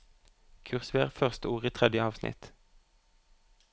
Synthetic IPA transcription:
kʰʉʁsʋeːʁfœʁst̪əuːʁiːt̪ʰʁɛd̪jəɑːʋsnʔɪ̰t̪

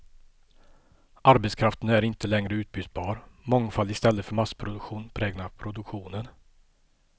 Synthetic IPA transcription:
aɾbɛt̪skʰɾaft̪ənæɾɪnt̪əlɛŋɾəʉ̟ːt̪̚byːt̪bɑːɾmɔŋfalːɪst̪ɛlːət̪fœɾmaspʰɾʊd̪ɵkɧuːnpʰɾɛːɡnapʰɾʊd̪ɵkɧuːnən

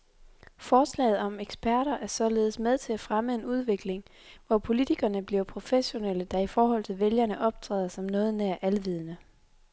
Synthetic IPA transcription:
fɒːslɛ̰ːɪð̞̩ˠɒ̽meɡ̥sb̥æɐ̰ɾ̥ɐʔæɐsɒ̽le̝ːð̞̩ˠsmeðˠt͡sʰe̝læfʁaməe̝nuð̞ˠʋe̝ɡ̥le̝ŋ | ʋɒpʰo̝lit͡sʰiɡ̥ɐnəb̥liɐpʰʁo̝feɕo̝neləd̥ɑ̈ifɒːɦɒ̽l̰t͡sʰe̝lʋeljɐnəʔɒ̽b̥̚t͡sʰʁɛ̰ːðˠɐsɒ̽mnɔ̽ːð̞̩ˠnæɐ̰ʔælʋið̞ˠnə

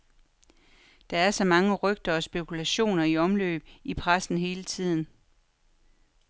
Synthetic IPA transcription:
d̥ɑ̈æɐsɒ̽mɑ̈ŋəʁœɡ̥̚d̥ɐɒ̽sb̥e̝kʰulæɕo̝̰ːnɐiɒ̽mlø̰ːb̥ipʰʁasn̩ɦe̝ːlət͡sʰið̞̰ˠn̩

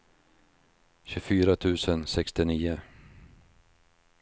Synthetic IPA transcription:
ɕɵfyːɾat̪ʰʉ̟ːsənsɛkst̪ɪniːʊ

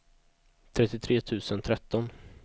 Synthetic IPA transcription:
t̪ʰɾɛt̪ːɪt̪ʰɾeːt̪ʰʉ̟ːsənt̪ʰɾɛt̪ːɔn

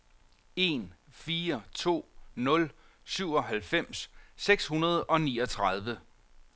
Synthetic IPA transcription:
e̝nfiːɐt͡sʰo̝̰ːnɔ̽l | syʊ̰ɒ̽ɦælfem̰sːeɡ̥shunɐð̞ˠɒ̽nḭːɒ̽t͡sʰʁað̞ˠʋə

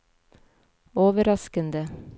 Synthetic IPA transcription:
oːʋəɾɑskənd̪ə

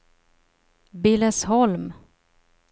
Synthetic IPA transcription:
bɪlɛshɔlm

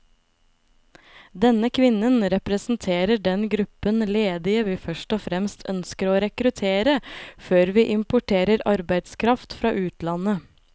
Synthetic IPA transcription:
d̪ɛnəkʰʋɪnənɾɛpɾəsn̩t̪ʰeːɾəɖɛnɡɾʉpənleːd̪ɪəʋiːfœʃʈɔfɾɛmst̪ʰœnskəɾoːɾɛkɾʉt̪ʰeːɾəføːɾʋiːʔɪmpʊʈʰeːɾəɾɑɾbæɪd̪skʰɾɑft̪fɾɑːʔʉːt̪lɑnə

